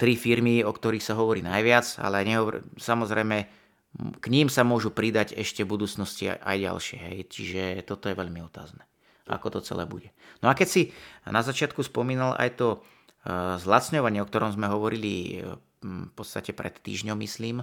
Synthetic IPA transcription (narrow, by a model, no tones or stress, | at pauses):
t̪ɾifiɾmiɔkt̪ɔɾiːxsaɦɔʋɔɾiːnajʋɪad͡za̰lɛaɲɛɦɔsamɔzɾɛjmɛ | kɲiːmsamʊɔʒupɾid̪aɟɛʃcɛbud̪uːt͡snɔscḭʔa̰jɟa̰lʃɪɛɦɛjt͡ʃiʒɛt̪ɔt̪ɔjɛʋɛʎmiɔt̪a̰ːznɛ | a̰kɔt̪ɔt͡sɛ̰lɛ̰ːbṵɟɛnɔakɛcsinazat͡ʃɪat̪kuspɔmiːnalʔa̰jt̪ɔ | zlat̪t͡sɲɔʋaɲɪɛɔk̚t̪ɔɾɔmzmɛɦɔʋɔɾili | fpɔt̪st̪acɛpɾɛ̰t̪ːḭːʒɲɔmːisliːm